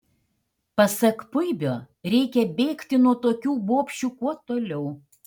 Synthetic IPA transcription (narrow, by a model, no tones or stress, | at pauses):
pɐsɐkpʊɪbʲoː | ɾʲɛɪkʲɛbʲeːkt̪ʲɪnuɔt̪oːkʲuːboːpʲʃʲt͡ʃʲuːkuɔt̪oːlʲɛʊ